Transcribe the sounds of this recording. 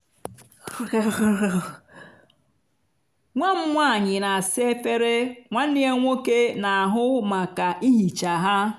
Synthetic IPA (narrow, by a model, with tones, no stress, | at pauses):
ŋʷa˦m̩˦ŋʷa˦˨ɲɪ˨na˨a˨sɪ˦e˦fe˦ɾe˦ŋʷa˦n̩˦ni˦e˦ŋʷo˦ke˦na˨a˨ɦʊ˦ma˨ka˨ʔi˦ɦi˨t͡ʃa˨ɦa˦